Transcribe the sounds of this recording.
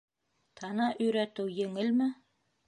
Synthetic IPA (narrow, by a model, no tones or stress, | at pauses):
t̪ʰɑnɑʔɵ̆jɾæt̪ɘwjɘ̆ŋɘlmɘ